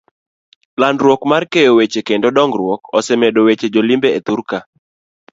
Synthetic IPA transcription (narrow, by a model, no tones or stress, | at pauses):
landɾwokmarkejowet͡ʃekendodɔŋɡɾwɔkɔsɛmedowet͡ʃed͡ʒolimbeet̪uɾka